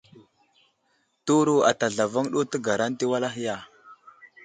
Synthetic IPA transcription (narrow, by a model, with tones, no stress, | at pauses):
tu˦ɾu˦a˨ta˨ɮa˨va˦ŋɗo˦tə˦ɡa˨ɾa˦nti˦wa˦la˦ɦi˦ja˦˨